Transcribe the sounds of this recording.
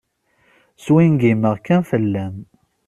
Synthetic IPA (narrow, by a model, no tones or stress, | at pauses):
swinɡiməʁkːænfəlːæm